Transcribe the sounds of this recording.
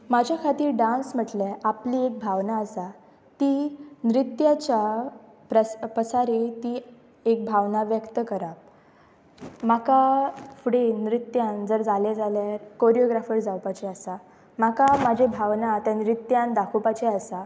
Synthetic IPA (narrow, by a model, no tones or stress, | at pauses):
mad͡ʑʱjakʰat̪iːɾɖãnsm̤əʈleapliek̚bʱaʋnaəsa | t̪iːnɾit̪jat͡ɕja | pɾəpɾəsaɾit̪iː | ek̚bʱaʋnaʋjəkt̪əkəɾap̚ | makafuɽenɾit̪jãnd͡zəɾd͡zaled͡zaljaɾkoɾijoɡɾafəɾd͡zawpat͡ɕeasa | makamad͡ʑʱebʱaʋnat̪janɾit̪jãnd̪akʰupat͡ɕɛasa